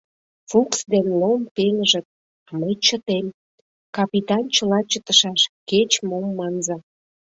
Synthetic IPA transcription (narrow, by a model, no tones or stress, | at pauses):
fuksd̪enlompenəʒə̆t̪̚ | məjt͡ɕət̪em | kɑpit̪ɑnt͡ɕəlɑt͡ɕət̪əʃɑʃket͡ɕmomːɑnzɑ